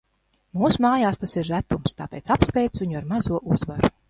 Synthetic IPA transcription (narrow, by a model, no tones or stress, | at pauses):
muːsumaːjaːst̪asiɾːæt̪umst̪aːpʲɛjt̪sapspʲɛjt̪svʲiɲuaɾmazuɔʔuzvaɾu